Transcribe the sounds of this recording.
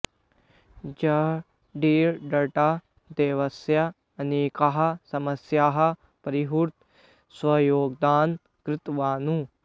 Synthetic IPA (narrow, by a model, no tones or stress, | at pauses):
d͡ʒɐ | ɖiːɾɖɐʈaː | d̪eːʋɐsja | ɐneːkaɦɐsɐmɐsjaːɦɐ | pɐɾiɦuɾt̪ | swɐjoːɡ̚d̪aːn | kɾɪt̪ʋaːnũː